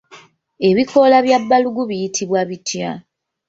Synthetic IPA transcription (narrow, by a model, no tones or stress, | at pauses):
e̞βikʰo̞laβjabːaluɡuβijitʰiβwaβitʰja